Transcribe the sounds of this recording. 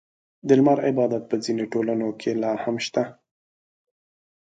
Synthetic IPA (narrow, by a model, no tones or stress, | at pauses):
d̪əlmɑɾɪbɑd̪at̪̚pəzinoʈolanokʰelɑhamʃt̪a